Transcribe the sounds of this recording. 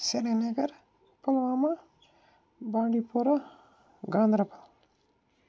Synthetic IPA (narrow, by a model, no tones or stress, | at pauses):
seɾenɐɡɐɾ | pɐlɐʋaːmɐ | baːɳɖipuːɾɐ | ɡaːnd̪ɾɐpɐl